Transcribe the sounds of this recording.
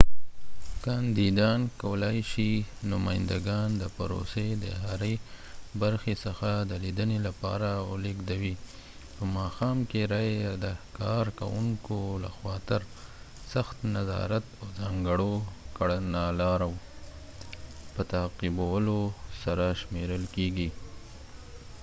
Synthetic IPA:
kɑnd̪id̪ɑnkawəlɑjʃinʊmɑjɪnd̪aɡɑnd̪əpaɾo̰sed̪ə̰ɦaɾə | baɾxesəxad̪əlid̪ənelapɑ̰ɾaə̰leɡd̪awi | pəmɑxɑmkeɾɑjed̪əkɑɾka̰wuŋkola̰xwɑt̪əɾ | saxt̪nazɑ̰ɾat̪awzɑŋɡəɽokaɽənalɑɾaw | pət̪aqibawəlosaɾaʃmeɾəlkeɡi

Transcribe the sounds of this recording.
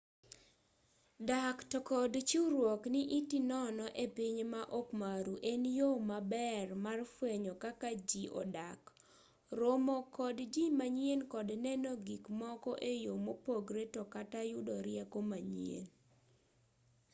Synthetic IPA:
daktɔkɔdt͡ʃuɾwɔkniʔitinɔnɔʔepiɲmaʔɔkmaɾuʔenjomabɛrmarfweɲɔkakad͡ʒiʔɔ̰dak | ɾomɔkɔdd͡ʒimaɲjenkɔdnɛnɔɡikmɔkɔʔejomopoɡɾetɔkatajʊdɔɾɪɛkomaɲjḛn

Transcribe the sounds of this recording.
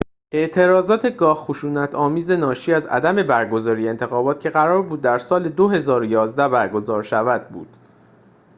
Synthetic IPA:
ʔe̞ʔt̪ʰe̞ɾɒːzɒːt̪ʰe̞ɡɒːhxoʃuːnæt̪ʰɒːmiːze̞nɒːʃiːæzæ̰d̪æme̞bæɾɡo̞zɒːɾijeːnt̪ʰe̞xɒːbɒːt̪cʰe̞ɣæɾɒːɾbuːd̪ːæɾsɒːle̞d̪oɦe̞zɒːɾojɒːzd̪æbæɾɡo̞zɒːɾʃævæd̪̚bṵːd̪̥

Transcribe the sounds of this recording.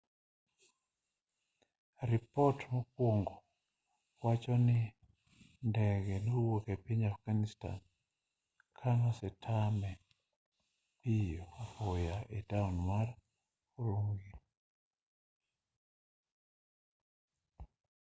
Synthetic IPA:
ɾipɔtmɔkwoŋɡɔ | wat͡ʃɔnɪ | ndɛɡɛnowokɛpiɲafɡanista̰n | kʰanasɛtʰamɛ | pijopojaʔɛtaunmar | uɾuŋɡi

